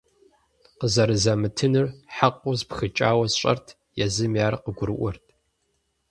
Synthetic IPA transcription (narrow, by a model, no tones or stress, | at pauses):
qəzɐɾɨzɐmɨtʰɨnɨrħaqʷʼʊzpxɨt͡ʃʼa̰ːwɐzɕʼɐ̰rtʰ | jɛzɨmjaːɾɐqəɡʷʊɾɨʔʷʊrtʰʼ